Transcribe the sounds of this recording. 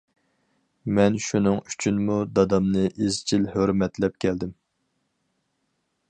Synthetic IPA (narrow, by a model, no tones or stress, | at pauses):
mɛnʃunɨŋy̥t͡ʃʰynmud̪ɑd̪ɑmnɨʔizt͡ʃʰilhøɾmɛt̪lɛp̚kʲʰɛld̪ɪm